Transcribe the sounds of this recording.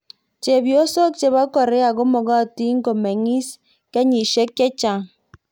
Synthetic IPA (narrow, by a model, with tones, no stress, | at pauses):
t͡ʃe˨bjo˦so˦k̚t͡ʃe˨βa˦kɔ˨ɾe˦a˨ɡo˦mo˨ɣa˦˨ti˦ŋ̩˦ɡo˨me˨ŋi˦s | ke˦ɲi˨ʃe˦kːe˦t͡ʃa˨ŋ